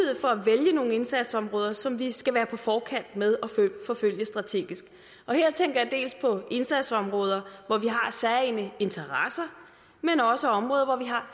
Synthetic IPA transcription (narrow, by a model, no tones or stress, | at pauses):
eð̰̩ˠfɒ̽æʋeljəno̝ːŋəe̝nsæd̥sɒ̽mʁɔ̽ːð̞ˠɐsɒ̽mʋisɡ̥æʋæːɐpʰɒ̽fɒːkʰæn̰d̥með̞ˠɒ̽føfɒ̽føl̰jəsd̥ʁɑ̈t͡sʰe̝̰ːɡ̥isɡ̥ | ʔɒ̽heɐ̰t͡sʰeŋɡ̥ɐjɑ̈d̥e̝̰ːlspʰɒ̽e̝nsæd̥sɒ̽mʁɔ̽ːð̞ˠɐʋɒʋiɦɑ̈sɛɐenəe̝nt͡sʰɐʁasɐ | menɒ̽səɒ̽mʁɔ̽ːðˠɐʋɒʋiɦɑ̈